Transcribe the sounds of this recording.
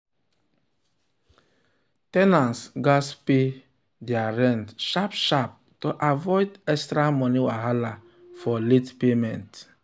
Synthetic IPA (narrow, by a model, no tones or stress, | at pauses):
tɛnãnsɡaspe | diaɾɛ̃ntʃapʃap̚toʔavɔɪdɛkstɾamɔniwaɦala | fɔlitpemɛ̃nt